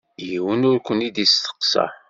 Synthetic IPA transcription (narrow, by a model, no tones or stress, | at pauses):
jiwənʊɾkʷənid̪ist̪ə̥qsɑ̰